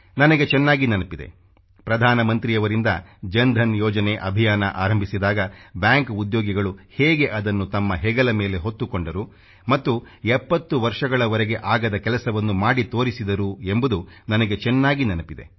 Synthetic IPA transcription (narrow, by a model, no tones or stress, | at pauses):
nɐnɐɡe̞t͡ʃɛnːaːɡinɐnɐpid̪e̞̰ | pɾɐd̪ʱaːnɐmɐnt̪ɾijɐʋɐɾind̪ɐd͡ʒɐnd̪ʱɐnjɔːd͡ʒɐne̞ʔɐbʱijaːnɐʔaːɾɐmbʱisid̪aːɡɐbjaːŋkud̪joːɡiɡɐɭuhɛːɡe̞ʔɐd̪ɐnːut̪ɐmːɐɦɛɡɐlɐmeːle̞ɦot̪ːukoɳɖɐɾu | mɐt̪ːu | ɛpːɐt̪ːuʋɐɾʂɐɡɐɭɐʋɐɾeɡe̞ʔaːɡɐd̪ɐkɛlɐsɐʋɐnːumaːɽit̪o̞ːɾisid̪ɐɾuembud̪unɐnɐɡe̞t͡ʃɛnːaːɡinɐnɐpid̪e̞̰